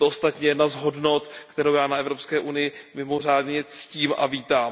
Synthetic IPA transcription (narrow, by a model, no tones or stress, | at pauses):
t̪oʔost̪at̪ɲɛjɛdnazɦo̞dno̞t̪kt̪ɛɾowjaːnaɛvɾo̞pskɛːʔunɪjɪmɪmo̞r̝aːdɲɛt͡sciːmʔa̰viːt̪aːm